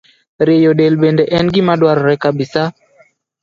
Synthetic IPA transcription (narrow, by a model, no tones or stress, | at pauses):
ɾejoɗelɓendɛʔɛnɡɪmaɗwaɾɔɾɛkabisa